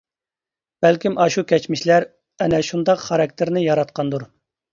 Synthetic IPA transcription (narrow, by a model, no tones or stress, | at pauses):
b̥ælkʲimʔɑʃukʲʰɛt͡ʃmɪʃlæɾ | ɛnɛʃund̪ɑqχɑɾɑk̚ʲt̪ʰɪɾnɪjɑɾɑt̪qʰɑnd̪uɾ